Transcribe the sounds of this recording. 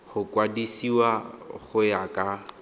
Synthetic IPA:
χʊkʼwadisiwaχʊjakʼa

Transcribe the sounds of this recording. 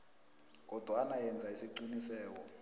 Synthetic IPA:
k̬ɔd̥ʱwanajɛnd͡zʱaisiǀinisɛːk̬ɔ

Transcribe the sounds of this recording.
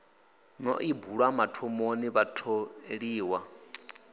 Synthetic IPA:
nɔ̰ʔibuɺwamatʰɔmoniβatʰoɺiːwa

